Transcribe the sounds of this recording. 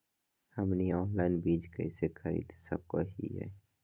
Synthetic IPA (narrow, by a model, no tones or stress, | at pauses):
həmniɔːnlaɪnbiːd͡ʒkəɪsexʰəɾḭːd̪sə̰b̚koɦḭɦɛ̰